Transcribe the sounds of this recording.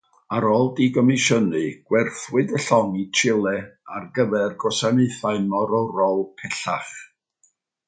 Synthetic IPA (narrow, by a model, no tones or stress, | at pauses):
aɾɔlˠdiɡɔmɪʃənɨɡ̥wɛrθwɨdəɬɔŋit͡ʃʰɪlˠɛarɡəvɛrɡɔsaneɨθaɨnmɔɾɔwrɔlˠpʰɛɬa̰χ